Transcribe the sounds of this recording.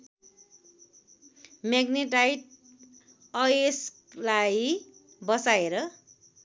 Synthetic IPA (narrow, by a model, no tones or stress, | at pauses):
meɡniʈajʈ | ʌes | laj | bʌt͡sajeɾʌ